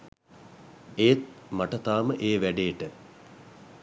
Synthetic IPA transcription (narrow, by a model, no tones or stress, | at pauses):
eːt̪̚maʈɐt̪aːməʔeːʋæɖeːʈə